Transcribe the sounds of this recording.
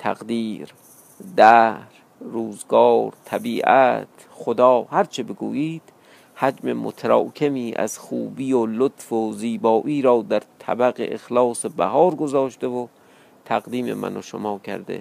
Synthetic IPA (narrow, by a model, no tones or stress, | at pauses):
t̪ʰæ̰ɣd̪iːɾ | d̪æhɾː | uːzɡɒːɾt̪ʰæbiːʔæt̪ | xod̪ɒːhæɾt͡ʃʰebeɡṵːjiːd̪̥ | hæd͡ʒme̞̰mo̰t̪ʰæɾɒ̰ːkʲʰemiːʔæ̰z̥xṵːbiːolot̪foziːbɒːʔiːɾɒːd̪æɾt̪ʰæ̰bæɣḛʔexlɒːsebæ̰hɒːɾɡozɒːʃt̪evo | t̪ʰæɣd̪iːme̞̰mæ̰noʃomɒːkʰæ̰ɾd̪ḛ